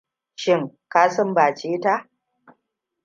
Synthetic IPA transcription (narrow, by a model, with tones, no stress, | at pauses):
ʃɪ˦ŋkaː˦sɔ˦mbaː˨t͡ʃeː˦ta˦ʔ